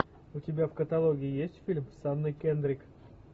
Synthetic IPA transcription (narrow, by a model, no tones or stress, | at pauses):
ʊtʲɪbʲafkət̪ɐlˠoɡʲɪɪjesʲtʲfʲilʲmsanːɨjkʲend̪ɾʲɪk